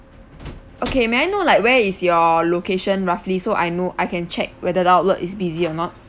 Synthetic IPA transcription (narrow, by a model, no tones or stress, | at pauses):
ʔokemẽajnolaɪk̚wɛisjɔlokeʃə̃nɹaflisoʔajnoʔajkɛ̃nt͡ʃɛ̰k̚wɛdədaʊt̚lətisbiziɔnɔt̚